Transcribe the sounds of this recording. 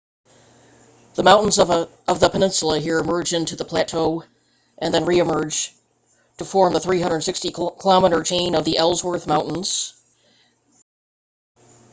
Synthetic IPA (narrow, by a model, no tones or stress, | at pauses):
ðəmãʊ̃ʔn̩z | ʌvðəpʰənɪ̃nsl̩ˠəɦiɹɨmɜ˞d͡ʒɪ̃ntʉðəpʰl̥ætʰoʊ | ʔɨ̃nðɨ̃nɹiɨmɜ˞d͡ʒ | tʰəfɔɹmðəθɹiɦʌ̃ndɹədnsɪkstikʰəlɑməɾə˞t͡ʃʰẽɪ̃nʌvðiʔɛlˠzwə˞θmãʊ̃nn̩z̥